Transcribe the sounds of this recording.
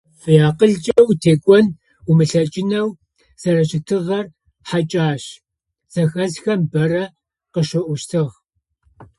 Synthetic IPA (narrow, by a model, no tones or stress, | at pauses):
fɨjaːqəɮt͡ʃʼɐwtʰeːkʷʼɔn | umɨɬɐt͡ʃʼɪnɐw | z̥ɐɾɐɕɪtʰɨʁɐr | ħat͡ʃʼaːɕ | z̥ɐxɐzxɐmbɐrɐ | qəʃɨʔʷʊʃtʰɨʁ